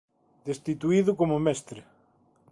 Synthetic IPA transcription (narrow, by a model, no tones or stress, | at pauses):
d̪est̪it̪uiðʊkomʊmɛst̪ɾe